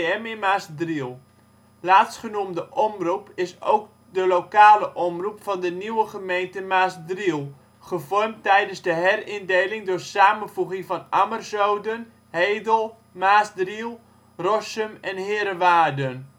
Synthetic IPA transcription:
ɛmɪnmaːsdrilˠ | laːtsχənumdəʔɔmrupɪso̰wk̚ | dəlokaːləʔɔmrupfɑndəniwəχəmejntəmaːsdrilˠ | χəvɔrmtɛjdənzdəɦɛrɪndejlɪŋdʊːrsaːmənvuɣɪŋfɑnamərzowdən | heːjdəlˠ | maːsdrilˠ | rɔsəmɛnhɪːɾəʋaːdən

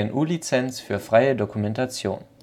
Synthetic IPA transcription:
ɪnʔuːlit͡sɛnsfyːɐfʁ̥aɪədokumɛntat͡sjo̰ːn

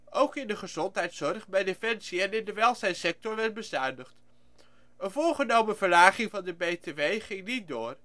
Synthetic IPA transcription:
ʔowkɪndəχəzɔntɦɛjtsɔɹχbɛjdefɛnsiɛnɪndəʋɛlˠsɛjnsɛk̚tɔɹʋɛɹ̚bəzœɥndəχt | ənvʊːlˠχənowməvəɹlaːχɪŋvɑndəbejteʋejχɪŋnit̚dʊːɹ

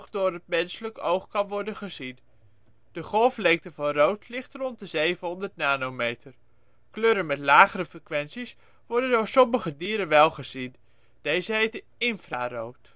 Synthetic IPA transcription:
χdʊːɾət̚mɛnsələkowχkɑnʋɔɹdənχəzin | d̥əχɔlˠflɛŋk̚təvɑnrowtlɪχtrɔntdəzejvənɦɔndəɹtnaːnowmejtəɹ | kløːɾənmɛtlaːχəɾəfrəkʋɛnsis | ʋɔɹdəndʊːɹsɔməχədiːɾənʋɛlˠχəz̥in | d̥ejzəɦejtə | ɪnfraːrowt

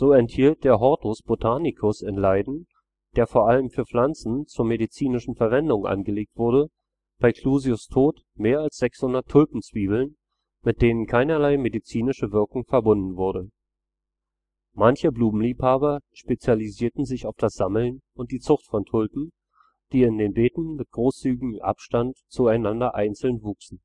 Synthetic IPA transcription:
z̥oːɛnthiːlt̚d̥eːɐɦɔɐtʰʊsb̥otʰaːnikʰʊsɪnlaɪdn̩ | d̥eːɐfoːɐʔaləmfyːɐflant͡sn̩t͡suːɐmeɾit͡siːnɪʃn̩fɛɐvɛndʊŋʔa̰nɡəleːk̚tv̥ʊɐdə | b̥aɪkʰl̥uːzjʊstʰoːt | meːɐalsz̥ɛkshʊndɐtʰːʊlpm̩t͡sv̥iːbl̩n | mɪt̚d̥eːnənkʰaɪnɐlaɪmedit͡siːnɪʃəvɪɐkʊŋfɛɐbʊndn̩vʊɐɾə | mançəbluːbm̩liːphaːbɐʃpet͡sjaliziːɐtn̩zɪçaʊfd̥asz̥aml̩n | ʊnt̚d̥iːt͡sʊχtfɔntʰʊlpm̩ | d̥iːɪndeːnbeːtn̩mɪt̚ɡ̥ʁoːst͡syːɡɪɡ̩ʔa̰pʃtantt͡suaɪnandɐʔaɪnt͡sl̩nvuːksn̩

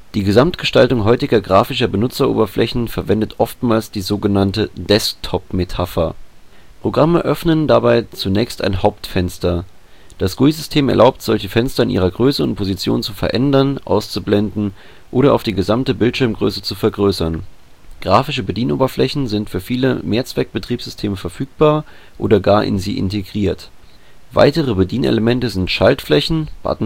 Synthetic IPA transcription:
d̥iːɡəzamtɡ̥əʃtaltʊŋɦɔʏtɪɡɐɡʁaːfɪʃɐbənʊt͡sɐʔo̰ːbɐflʔɛçn̩fɛɐvɛndətʰʔɔftmaːlsd̥iːzoːɡənantədɛsktʰɔpmetʰafɐ | pʁ̥oɡʁaməʔœfnəndabaɪt͡sunɛːçsta̰ɪnɦaʊptfɛnstɐ | d̥asɡ̥uizʏstʰeːmɛ̰ɐlʔaʊptz̥ɔlçəfɛnstɐɪnʔiːʁɐɡʁøːsəʊ̰ntpʰozit͡sjo̰ːnt͡sufɛɐʔɛndɐnʔa̰ʊst͡sublɛndn̩ | ʔoːɾɐʔa̰ʊfd̥iːɡəzamtəbɪltʃɪɐmɡʁø̰ːsət͡sufɛɐɡʁøːsɐn | ɡ̥ʁaːfɪʃəbədiːnʔo̰ːbɐflɛçn̩zɪntfyːɐfiːləmeːɐt͡sv̥ɛk̚b̥ətʁ̥iːpz̥ʏ̥stʰeːməfɛɐfyːk̚b̥aːɐ | ʔo̰ːdɐɡaːɐʔɪ̰nzḭːʔɪ̰nteɡʁiːɐt | va̰ɪtəʁ̞əbədiːnʔḛləmɛntəzɪntʃaltflɛçn̩b̥a̰tn̩

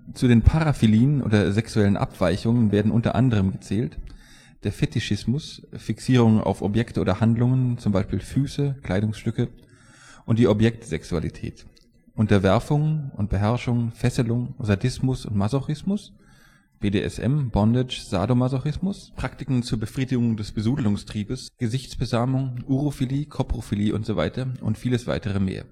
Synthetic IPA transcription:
t͡sudeːnpʰaʁafiliːənʔo̰ːdɐzɛksuɛlənʔa̰pv̥aɪçʊŋənveːɐdn̩ʔʊntɐ̰ʔa̰ndəʁ̞əmɡət͡sɛːlt | d̥eːɐfɛtɪʃɪsmʊsfiksiːʁ̞ʊŋa̰ʊfɔ̰pjɛktəʔoːdɐhandlʊŋənt͡sʊmbaɪʃpiːlfyːsəkl̥aɪɾʊŋsʃtʏkə | ʔʊntd̥iːɔpjɛk̚tz̥ɛksua̰lḭtʰɛ̰ːt | ʔʊntɐvɛɐfʊŋʔʊnt̚b̥əɦɛɐʃʊŋfɛsəlʊŋzadɪsmʊsʊ̰ntmazoxɪsmʊs | b̥eːdḛːɛ̰sʔɛ̰mbɔndɪt͡ʃz̥a̰ːdomazoxɪsmʊspʁ̥aktɪkŋ̩t͡suːɐbəfʁ̥iːdɪɡʊŋdɛsb̥əzuːdlʊŋstʁ̥iːbəsɡ̥əzɪçt͡sb̥əzaːmʊŋuʁofiliːkʰopʁ̥ofiliːʔʊ̰ntz̥ova̰ɪtɐʔʊ̰ntfiːləsv̥a̰ɪtəʁəmḛːɐ

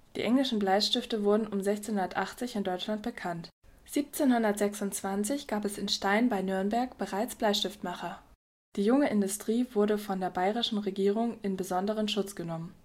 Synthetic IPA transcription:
d̥ḭːʔɛŋlɪʃn̩blaɪʃtɪftəvʊɐdn̩ʔʊmzɛçt͡seːnhʊndɐtʔaχt͡sɪçɪndɔʏt͡ʃlant̚b̥əkʰant | z̥iːp̚t͡seːnhʊndɐtz̥ɛksʊntt͡sv̥ant͡sɪçɡ̥aːpɛsɪnʃtaɪnbaɪnʏɐnbɛɐkb̥əʁaɪt͡sb̥laɪʃtɪftmaχɐ | d̥iːjʊŋəʔɪndʊstʁ̥iːvʊɐdəfɔndeːɐbaɪʁɪʃn̩ʁeɡiːʁ̞ʊŋɪnbəzɔndəʁ̞ənʃʊt͡sɡ̥ənɔmən

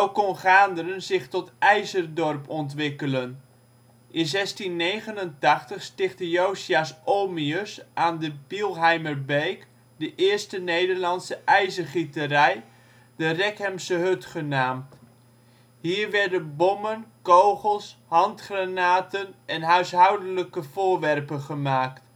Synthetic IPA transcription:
owkɔnχaːndərənzɪχtɔtɛjzərdɔrpɔntʋɪkələn | ʔɪnzɛstinːejχənəntɑχtəχstɪχtəjowsiasʔoːmiøsʔaːndəbilˠɦɛjməɹbejk | dəʔɪːɹstənejdəɹlɑnsəʔɛjzəχitərɛj | dərɛkɛmsəɦøtχənaːmt | ɦiːɹʋɛɹdənbɔmənkowχəlˠshɑntχranaːtənɛnɦœɥsɦɑwdələkəvʊːɹʋɛrpənχəmaːkt

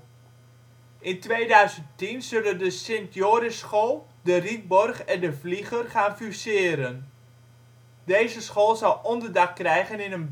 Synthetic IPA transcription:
ʔɪntʋejdœɥzəntinz̥ɵləndəsɪntjoːɾəsχolˠ | dərit̚bɔrχɛndəvliχərχaːnfysɪːɾən | dejzəsχoːlˠzɑwˠʔɔndərdɑkːrɛjχənɪnən

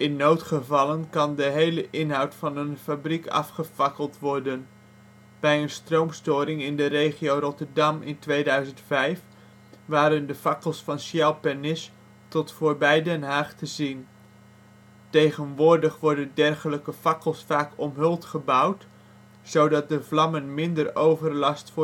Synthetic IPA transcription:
ɪnːowtχəvɑlənkɑndəɦejləʔɪnɦɑwtfɑnənfabrikɑ̰fχəv̥ɑkəlˠtʋɔrdən | b̥ɛjənstrowmstʊːɾɪŋɪndərejχiowrɔtəɹdɑmɪ̰ntʋejdœɥzəntfɛjf | ʋaːɾəndəfɑkəlˠsfɑnsjɛwpɛɹnɪs | tɔtfʊːɹbɛjdɛnɦaːχtəzin | tejχənʋʊːɹdəχʋɔɹdəndɛrχələkəv̥ɑkəlˠsfaːkɔmɦɵlˠtχəbʌwt | sowdɑt̚dəvlɑmənmɪndərowvəɹlɑstfʊː

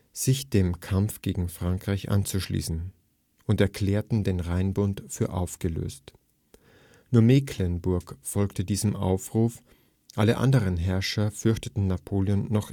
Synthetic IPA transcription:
z̥ɪçd̥eːmkʰamfɡ̥eːɡŋ̩fʁ̥aŋkʁ̥aɪçʔa̰nt͡suʃlḭːsn̩ | ʔʊntɛɐkʰl̥ɛːɐtn̩deːnʁaɪnbʊntfyːɐʔa̰ʊfɡ̥əlø̰ːst | nuːɐmeklɛnbʊɐkfɔlktədiːzəmʔa̰ʊfʁ̥uːf | ʔaləʔa̰ndəʁənɦɛɐʃɐfʏɐçtətn̩napʰoːljonːɔχ

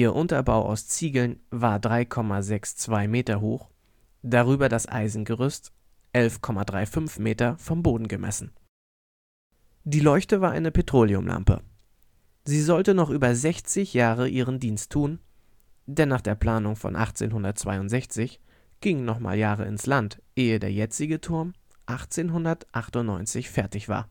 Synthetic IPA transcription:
ʔiːɐʔʊntɐbaʊʔa̰ʊst͡siːɡl̩nvaːɐdʁaɪkʰɔmazɛkst͡sv̥aɪmeːtɐɦoːx | d̥aʁyːbɐdasʔa̰ɪzn̩ɡəʁʏst | ʔɛlfkʰɔmadʁaɪfʏnfmeːtɐfɔmboːdn̩ɡəmʔɛ̰sn̩ | d̥iːlɔʏçtəvaːɐʔa̰ɪnəpʰetʁ̥oːliʊmlʔa̰mpə̰ | ziːzɔltənɔχʔyːbɐzɛçt͡sɪçjaːʁəʔiːʁ̞əndiːnstʰːuːn | dɛnːaːχd̥eːɐpl̥aːnʊŋfɔ̰nʔa̰χt͡sḛːnɦʊndɐt̚t͡sv̥a̰ɪʊntz̥ɛçt͡sɪç | ɡ̥ɪŋənɔχma̰ːljaːʁ̞ə̰ɪ̰nslantʔeːədeːɐjɛt͡sɪɡətʰʊɐm | ʔaχt͡seːnɦʊndɐtʔaχtʊntnɔ̰ʏnt͡sɪçfɛɐtɪçv̥a̰ːɐ

